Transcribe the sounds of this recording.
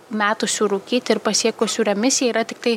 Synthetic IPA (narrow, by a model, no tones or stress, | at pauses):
mʲæːt̪ʊsʲuːɾuːkʲiːt̪ʲɪɪɾpɐsʲiɛkʊsʲuːɾʲɛmʲɪsʲɪjɛiːɾɐt̪ʲɪk̚t̪ɐɪ